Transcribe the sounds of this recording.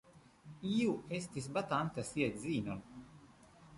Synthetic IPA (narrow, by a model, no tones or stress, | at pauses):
iːuest̪ʲis̬bat̪ant̪asiɛt̪ʲziːnɔl